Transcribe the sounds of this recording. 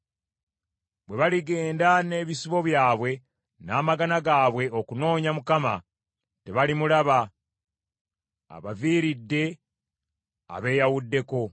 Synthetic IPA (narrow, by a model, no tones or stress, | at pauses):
bwe̞βaliɡe̞ːndane̞βisiβo̞βjaːβwe̞ | naːmaɡanaɡaːβwe̞okuno̞ːɲamukama̰ | te̞βalimulaβa | βaviːɾidːe̞ | a̰βe̞jawudːe̞ko̞